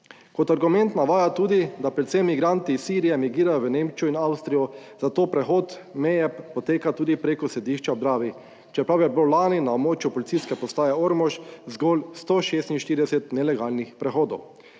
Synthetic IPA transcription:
kɔt̪aɾɡumɛ̃nt̪naʋaːjat̪uːd̪id̪apɾɛt̪sɛmːiɡɾant̪isːiːɾijɛmiɡiːɾajɔʋənẽmt͡ʃuinawst̪ɾijɔzat̪oːpɾɛxoːt̪mɛːjɛpɔt̪eːkat̪uːd̪ipɾeːkɔsɛd̪iːʃt͡ʃad̪ɾaːʋi | t͡ʃɛpɾawjɛbowlaːninaobmoːt͡ʃjupɔlit̪siskɛpɔst̪aːjɛoɾmɔʃzɡolst̪oʃeːst̪inʃt̪iːɾid̪ɛsɛt̪nɛlɛɡaːlnixpɾɛxoːd̪ɔw

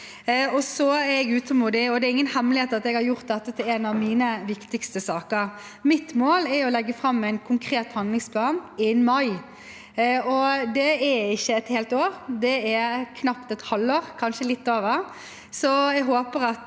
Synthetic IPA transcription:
ɔsɔɛɾɛɡʉːt̪əmud̪ɪɔd̪ɛɾɪŋːənhɛmːlɪheːt̪ɑt̪ɛɡhɑɾjʊɾt̪̚d̪ɛt̪ːət̪ʰɪlɛnɑʋmiːnəʋɪkt̪ɪkst̪əsɑːkəɾ | mɪt̪moːlɛɾɔlɛɡːəfɾɑmːɛɪnkʰʊŋkʰɾeːt̪hɑnd̪lɪŋspʰlɑːnɪnmɑɪ | ɔd̪ɛɛɪçːəɛt̪heːlt̪oːɾd̪ɛɛkʰnɑpt̪ɛt̪hɑlːoːɾkʰɑnʃəlɪt̪ːoːʋəɾ | sɔɛɡɦoːpəɾɑt̪

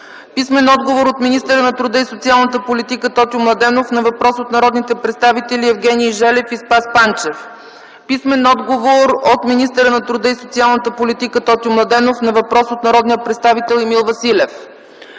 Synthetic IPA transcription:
pismɛnɔd̪ɡovoɾot̪minist̪əɾənɐt̪ɾud̪əisot̪sialˠnət̪əpolit̪ikət̪ɔt̪imlˠɐd̪ɛnofnɐvɐpɾɔsot̪nɐɾɔd̪nit̪ɛpɾɛt̪st̪avit̪ɛliɛvɡɛnʲiːʒɛlɛfispaspant͡ʃɛf | pismɛnɔd̪ɡovoɾot̪minist̪əɾənɐt̪ɾud̪əisot̪sialˠnət̪əpolit̪ikət̪ɔt̪iʊmlˠɐd̪ɛnofnɐvɐpɾɔsot̪nɐɾɔd̪nijəpɾɛt̪st̪avit̪ɛlˠimilˠvɐsilɛf

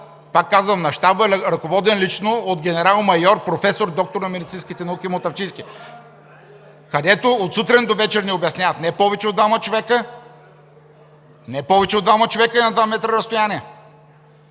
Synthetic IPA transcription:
pakːazvəmnɐʃt̪abəɛɾɐkovɔd̪ɛnlit͡ʃnood̪ɡʲɛnɛɾalˠmɐjɔɾpɾofɛsoɾd̪ɔk̚t̪oɾnɐmɛd̪it̪sinskʲit̪ɛnɐukʲimot̪ɐft͡ʃĩnskʲi | kɐd̪ɛt̪oot̪sut̪ɾɛnd̪ovɛt͡ʃɛɾnɛobjɐsnʲjavət̪nɛpɔvɛt͡ʃɛod̪vamət͡ʃovɛkə | nɛpɔvɛt͡ʃɛod̪vamət͡ʃovɛkəinɐd̪vamɛt̪ɾəɾəst̪ojaniɛ

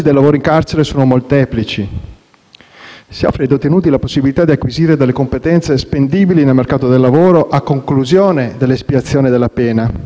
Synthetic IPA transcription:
id̪elːavoːɾoiŋkart͡ʃeɾesoːnomolt̪ɛːplit͡ʃi | siɔ̰fːɾed̪ot̪ːenuːt̪ilaposːibilit̪ad̪iakːwiziːɾed̪alːekompet̪ɛnt̪sespend̪iːbilinelmerkaːt̪od̪elːavoːɾoʔakːoŋkluzjoːned̪elːespiat̪sːjoːned̪elːapɛːna

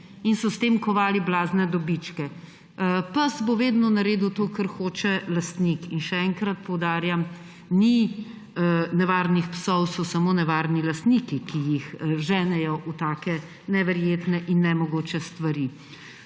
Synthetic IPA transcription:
insɔst̪eːmkɔʋaːliblaːznɛd̪ɔbit͡ʃkɛ | pasboʋeːd̪nɔnaɾeːd̪uwt̪oːkəɾxoːt͡ʃɛlast̪nikinʃɛɛŋkɾat̪pɔwd̪aːɾjam | ni | nɛʋaːɾnixpsɔwsɔsɐmoːnɛʋaːɾnilast̪nikikijixʒɛːnɛjɔʔut̪aːkɛ | nɛʋɛɾjeːt̪nɛʔinːɛmɔɡoːt͡ʃɛst̪ʋaɾi

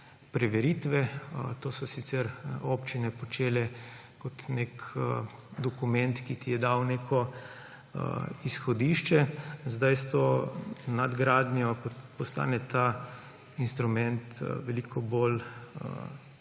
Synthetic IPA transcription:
pɾɛʋɛɾiːt̪ʋɛt̪oːsɔsit̪sɛɾopt͡ʃinɛpɔt͡ʃeːlɛ | kɔt̪nek | d̪ɔkumɛnt̪kit̪ijɛd̪awnekɔ̰ | isxɔd̪iːʃt͡ʃɛzd̪ajst̪onad̪ɡɾaːd̪njɔpɔst̪a̰ːnɛt̪a | inst̪ɾumɛnt̪ʋɛlikʰɔbolə̰

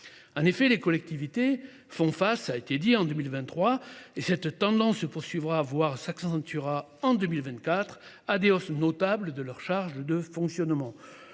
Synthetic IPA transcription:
ɑ̃nefɛlekɔlɛk̚t̪ivit̪e | fɔ̃fasaet̪ed̪iɑ̃d̪əmilvɛ̃t̪ːχwaesɛt̪ːɑ̃d̪ɑ̃sːəpuʁsɥivʁavwaʁsaksɑ̃t̪yʁa | ɑ̃d̪əmilvɛ̃nt̪̚kat̪χ | ad̪eɔsnɔt̪abləd̪əlœʁʃaʁʒd̪əfɔ̃ksjɔnmɑ̃

